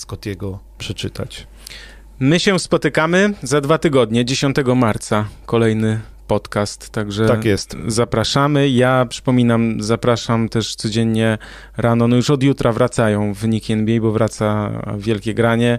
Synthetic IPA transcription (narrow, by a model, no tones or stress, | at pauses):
skɔt̪jɛɡɔ | pʂɛt͡ʂɘt̪a̰t͡ɕ | mɘɕɛspɔt̪ɘkamɘzad̪vat̪ɘɡɔd̪ɲɛd͡ʑeɕɔnt̪ɛɡɔmaɾt̪sakɔlɛjnɘ | pɔt̪kast̪ːaɡʐɛt̪akjɛst̪zapɾaʂamɘjapʂɘ̥pɔmʲinamzapɾaʂamt̪ɛʂt̪sɔd͡ʑeɲːɛ | ɾanɔnɔjuʂɔd̪jut̪ɾʔavɾat̪sajɔ̃w̃vɘɲikʲiɛnbʲjɛjbɔvɾʔat̪sa̰vʲjɛlkʲɛɡɾaɲɛ